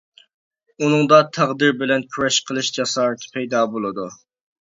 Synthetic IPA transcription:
unɨŋd̪ɑt̪ʰæʁd̪ɨɾbɪlɛnkʲʰyɾɛʃqʰəlˠɨʃd͡ʒɑsɑːɾɨt̪ʰpʰɛjd̪ɑbolˠɨd̪u

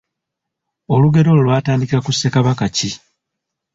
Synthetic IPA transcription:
o̞luɡe̞ɾo̞lulwaːtaːndikiɾakusːe̞kaβakaci

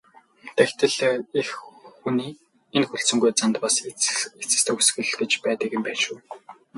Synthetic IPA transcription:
t̪æxt̪ɘ̆ɮexuniː | enxuɬsɵ̆ŋɡujt͡sant̪paset͡sɘ̆st̪ʰeːxusxɘ̆ɮɡet͡ɕpæːt̪ə̆ɣɘ̆mpæːʃuː

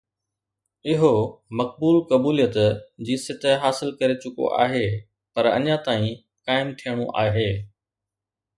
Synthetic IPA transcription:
ɪɦomɐk̚buːlkɐbuːlijət̪d͡ʑiːsɪt̪ʰəɦaːsɪlkɐɾet͡ɕʊko̰ʔa̰ːɦe | pɐɾɐ̰ɲãt̪aːĩ | kaːɪmt̪ʰijəɽ̃uʔa̰ːɦeː

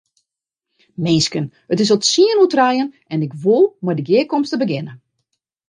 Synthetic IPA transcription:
mɪnskən | ətɪs̬ɔtsiənutrajən | ɛnɪkʋolˠmɔjdəɡɪəkɔmstəbəɡɪnə

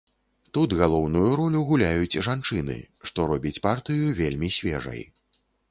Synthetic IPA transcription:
t̪ud̪ɣalˠɔwnujuɾɔlʲuɣulʲajut͡sʲʐant͡ʂɨnɨ̰ | ʂt̪ɔɾɔbʲit͡sʲpart̪ɨjuvʲelʲmʲisʲvʲɛ̰ʐɐ̰j

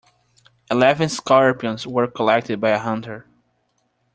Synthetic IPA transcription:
ɪlɛvɨ̃nskɑɹpiɨ̃nzwə˞kʰəlɛk̚tɨd̚bajəɦʌ̃ntə˞

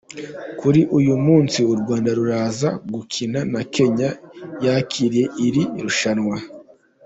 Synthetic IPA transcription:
kuɾiʔujumuːnsiuɾɡwaːndaɾuɾaːzaɡukʰinanake̞ɲajacʰiɾije̞ʔiɾiɾuʃanŋwa

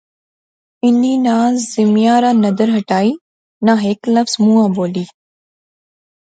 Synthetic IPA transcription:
ɪniːnaːzzɪmijaːɾaːnɐd̪əɾɦɐʈaːiː | nãɦeːkləfz̥mũːãːboːliː

